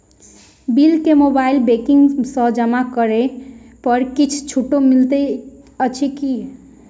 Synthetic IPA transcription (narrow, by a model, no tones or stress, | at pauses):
bilkemobailbekiŋɡsə̃d͡ʒəmakəɾepʌɾkit͡ʃʰt͡ʃʰuʈːomilt̪e | ət͡ʃʰiki